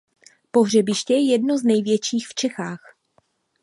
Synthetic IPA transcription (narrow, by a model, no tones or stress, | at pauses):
po̞ɦr̝ɛbɪʃcɛjɛjɛdno̞znɛjvjɛt͡ʃiːxft͡ʃɛxaːx